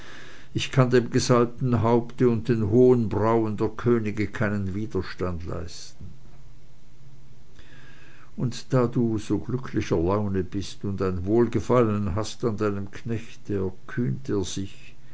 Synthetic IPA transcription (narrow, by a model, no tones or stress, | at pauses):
ʔɪçkʰandeːmɡəzal̚tn̩ɦaʊptəʊnt̚d̥eːnɦoːənbʁaʊəndeːɐkʰøːnɪɡəkʰaɪnənviːdɐʃtandla̰ɪstn̩ | ʔʊntd̥aːduːz̥oːɡ̥lʏkʰlɪçɐlaʊnəbɪstʊndaɪnvoːlɡəfalənnɦastandaɪnəmkʰnɛçtd̥eːɛkʰyːnteːɐz̥ɪç